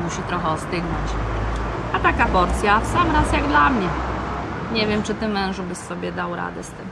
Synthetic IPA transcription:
muɕit̪ɾɔxɛɔst̪ɘɡnɔ̰t͡ɕ | at̪akapɔɾt̪sʲjafsamɾasjaɡd̪lamɲɛ | ɲɛvʲjɛmt͡ʂɘt̪ɘmɛ̃w̃ʐbɘssɔbʲjɛd̪awɾa̰d̪ɛst̪ɘm

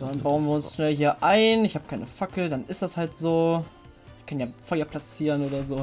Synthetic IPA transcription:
d̥anbaʊənviːɐʊnsʃnɛlɦiːɐʔaɪnɪçhaːbəkʰaɪnəfakl̩danʔɪstd̥ashaltz̥oː | kʰanjaːfɔʏɐpʰl̥at͡siːʁənʔoːdɐzoː

